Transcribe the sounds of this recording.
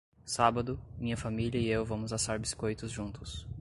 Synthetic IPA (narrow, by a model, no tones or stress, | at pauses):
sabɐd̪ʊmĩɲɐfamiʎʲɐiewvɐ̃mʊzasaɾbiskojt̪ʊzʒũnt̪ʊs